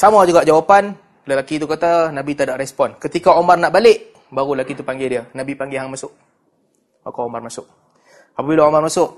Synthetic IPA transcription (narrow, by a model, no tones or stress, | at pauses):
samad͡ʒuɡaʔd͡ʒawapan | ləlakit̪ukat̪anabit̪adaʔɾɛspɔnkət̪ikaomarnaʔbalɪʔ | baɣuəlakit̪upaŋɡɪdiənabipaŋɡɪɦaŋmasʊʔ | akaomarmasʊʔ | apabilaomarmasʊʔ